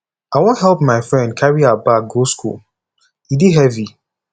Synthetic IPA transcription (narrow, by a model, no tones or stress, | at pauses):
aɪwɔ̃nɦɛlˠp̚maɪfɹɛ̃nd̚kʰaɹiabak̚ɡoskṵl | idiɦɛvi